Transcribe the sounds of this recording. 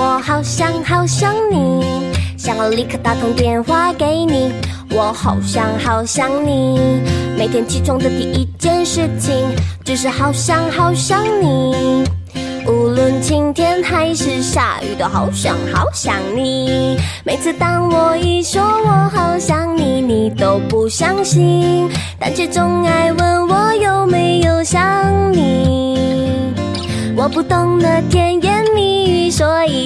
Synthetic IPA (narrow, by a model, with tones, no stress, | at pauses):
wɔ˨˩xɑ˨˩ʊɕjɑ˥˧ŋxɑ˨˩ʊɕjɑ˥˧ŋni˨˩ɕɑ˧˩ŋwɔ˨˩li˧kʰə˨˩t̪a˥˧˩t̪ʊ˧ŋt̪jɛ˥˧nxwa˥˧ke˧˥ɪni˨˩˦ | wɔ˧˩xɑ˨˩ʊɕjɑ˧ŋxɑ˨˩ʊɕjɑ˥˧ŋni˨˩me˨˧˥ɪt̪ʰjɛ˧˥nt͡ɕʰi˧˥ʈ͡ʂʊ˥ŋd̪ə˨t̪i˧˩ʔi˧˥t͡ɕjɛ˥˧nʂɻ̩˥˩t͡ɕʰi˨˩ŋt͡ɕjo˥˧ʊʂ̬ɻ̩˥˩xɑ˨˩ʊɕjɑ˥˧ŋxɑ˨˩ʊɕjɑ˥˧ŋni˨˩ | ʔu˧˩lwə˥˧nt͡ɕʰi˥ŋt̪ʰjɛ˥nxa˧˥ɪʂɻ̩˧˥ɕa̰˥˧˩y̰˧˩d̪ə˧˩xɑ˨˩ʊɕjɑ̰˨˩ŋxɑ˨˧˦ʊɕjɑ̰˨˩ŋni˨˩me˨˧˥ɪt͡sʰɹ̩˧˩t̪ɑ˥ŋwɔ˨˩i˧˩ʂwɔ˥wɔ˧˥xɑ˨˩ʊɕjɑ˧˥ŋni˨˩ni˨˩t̪o˥ʊpu˧ɕjɑ˥ŋɕi˥˧nt̪a˥˧nt͡ɕʰɛ˥˧t͡sʊ˧ŋa˧˩ɪwə˥˧nwɔ˨˩jo˨˧ʊme˧˥ɪjo˨˧ʊɕjɑ˥ŋni˨˩ | wɔ˨˩pu˧˩t̪ʊ˥˧ŋd̪ə˨˩t̪ʰjɛ˥njɛ˧˥nmi˧y˧˩swɔ˧˥i˨˩